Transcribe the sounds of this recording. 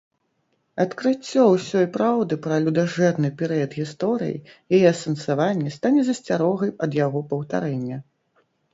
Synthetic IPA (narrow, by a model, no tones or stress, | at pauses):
ɐt̪kɾɨt͡sʲːɔwsʲɔjpɾawd̪ɨpɾɐlʲud̪aʐɛrnɨpʲɛɾɨjɐd̪ɣʲist̪ɔɾɨ̰jḭjajɛsɐnsavanʲːɛst̪anʲɛzɐsʲt͡sʲaɾɔɣɐjɐd̪jaɣɔpɐwt̪a̰ɾɛnʲːɛ